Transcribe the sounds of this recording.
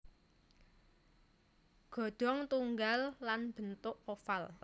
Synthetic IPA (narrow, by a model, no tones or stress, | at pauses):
ɡ̥ɔ̤d̪̥ɔ̤ŋt̪uŋɡalːanb̥ə̤nt̪ʊʔofal